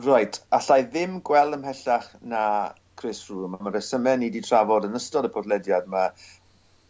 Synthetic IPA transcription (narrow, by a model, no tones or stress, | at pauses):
rajtʰaɬajðɪmɡwɛlˠdəmhɛɬaχna | kʰrɪsruːmamaɾəsəmɛniditʰr̥avɔdənəstɔdəpʰɔdlɛdjadma